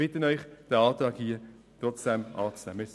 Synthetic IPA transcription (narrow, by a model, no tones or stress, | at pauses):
ɪtənœʏχd̥əɑːtɑːɡhiːə | t̪ʁɔt͡sd̥ɛmʔɑːt͡snɛ̰mɪs